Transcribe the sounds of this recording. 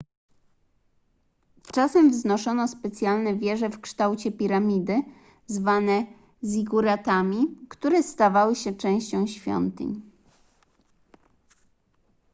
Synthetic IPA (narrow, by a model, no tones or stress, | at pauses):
t͡ʂasɛmvznɔʂɔnɔspɛt̪sʲjalnɛvʲjɛʐɛfkʂt̪awt͡ɕɛpʲiɾamʲid̪ɘ | zvanɛ | zʲiɡuɾat̪amʲikt̪uɾɛst̪avawɘɕɛt͡ʂɛ̃w̃ɕt͡ɕɔ̃w̃ɕfʲjɔ̰nt̪ɘ̰ɲ